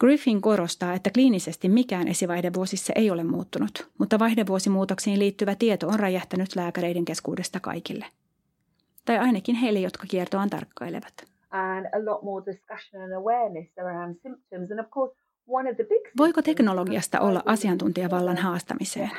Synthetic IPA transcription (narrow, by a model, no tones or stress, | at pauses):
ɡ̥rifiŋko̞ɾo̞st̪ɑːe̞t̪ːækliːnise̞st̪immikæːnʔe̞siʋɑjhdeʋʋuosisːɑʔejo̞lemmṵːt̪ːunut̪mut̪ːɑʋɑjhdeʋːuo̞simuːt̪oksiːnliːt̪ːyʋæt̪iet̪oonrɑjɑht̪ænyt̪læːkæɾe̞jde̞ŋk̟e̞skṵːde̞st̪ɑkɑ̰jkilːe | t̪ɑjɑjnɑkinɦe̞jlːejot̪kɑkiert̪oɑnt̪ɑ̰rkːɑ̰jlḛʋɑt̪ | ʔə̃nəlɔʔmɔːdɪskʌʃə̃nə̃nəwɛːnəsəɹãʊ̃nsɪ̃mp̚tʰə̃mzə̃nəv̥kʰɔˑs | wʌ̃nəvðəbɪɡ̥ʋo̞jkot̪e̞kno̞loɡiɑst̪ɑ̰ʔolːɑ̰ʔɑsiɑnt̪unt̪iɑʋɑlːɑnɦɑːst̪ɑ̰miseːn